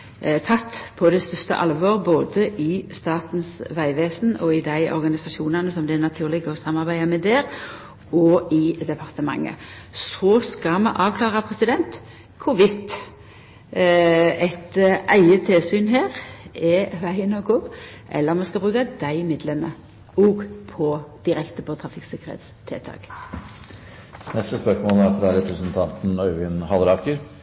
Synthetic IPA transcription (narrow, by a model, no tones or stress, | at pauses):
t̪ʰɑt̪ːpʰɔd̪ɛst̪ʏst̪ə̰ʔɑ̰lʋoːʁboːd̪əʔɪst̪ɑːt̪n̩sʋæɪʋeːsn̩ɔɪd̪æɪʔɔ̰ɾɡɑnɪsɑʃuːnɑnəsɔmd̪ɛnɑt̪ʰʉːʁlɪɡəɔsɑmːɑʁbæɪɑmɛd̪ɛːʁ | ɔɪd̪ɛpʰɑʁt̪əmɑ̰ŋːə̰sɔskɑmɑʔɑːʋkʰlɑːʁɑpʰɾɛsɪd̪ɛnt̪ | kʰʊʋɪt̪ː | ɛt̪ʔæɪət̪ʰɪlsyːnɦeːɾɛʋæɪənɔɡʊ | ʔɛ̰lːəɾmɛskɑlbɾʁʉːkɑd̪æɪmeːd̪lɛmːə | ɔːɡpʰɔd̪̥ɪɾɛkt̪əpʰɔt̪ʰɾɑfɪksɛkəɾhɛ̰ːt̪st̪ʰḛːt̪ʰɑ̰ːk | nɛst̪əspœʂmoːlæɾfɾɑɾɛpɾəsɛnt̪ʰɑnt̪n̩œʏʋɪnhɑlɾɑkəɾ